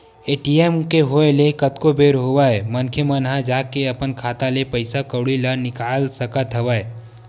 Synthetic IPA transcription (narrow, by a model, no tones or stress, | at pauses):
eːʈiemkeɦoelekət̪kobeɾɦowaemənkʰjemənɦãd͡ʒaːkeəpənkʰaːt̪alepəɪsakəɽilənɪkaːlsəkət̪ɦəʋae